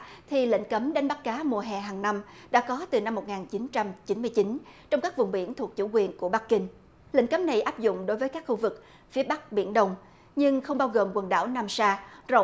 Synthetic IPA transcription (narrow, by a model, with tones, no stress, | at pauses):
t̪ʰi˨˩lḭ˧˨ŋ̟kə˨˦mɗae˨˦nɓa˦˥k̚kaː˨˦mu˨˩əɦɛ˨˩ɦaː˨˩ŋna˧mɗa̰ː˧˥kɔ˨˦t̪ɨ˨˩na˧mːo˨˩t̚ŋaː˨˩nt͡ɕi˨˦nt͡ɕa˧mt͡ɕi˨˦nmɨ˧əjt͡ɕi˨˦nt͡ɕɔ˧wŋ͡mkaː˦˥k̚vʊ˨˩ŋ͡mɓḭ˧˩ənt̪ʰu˨˩ək̚t͡ɕṵ˧˩kwi˨˩ənku˧˩əɓa˦˥kkï˧ŋ | lḭ˧˥˨ŋ̟kə˨˦mna˨˩jʔaː˦˥p̚zʊ̰˧˨ŋ͡mɗo˨˦jvəː˨˦jkaː˦˥kxu˧vɨ˨˩k̚ | fi˨˦əɓa˦˥k̚ɓḭ˧˩ənɗə˧wŋ͡m | ɲɨ˧ŋxə˧wŋ͡mɓaː˧wɣo˨˩mkwə˨˩nɗa̰ː˧˩wnaː˧msaː˧zo̰˧˨